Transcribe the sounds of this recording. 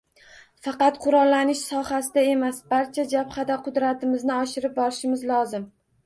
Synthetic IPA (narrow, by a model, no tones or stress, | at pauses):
fɑqɑt̪qʰʊɾɒlːanɪʃsɒhasɪd̪ae̞masbaɾt͡ʃʰad͡ʒapχad̪aqʰʊd̪ɾat̪ʰɪmɪznɪɒʃɪɾɪp̚bɒɾɪʃɪmɪzlˠɒzɪm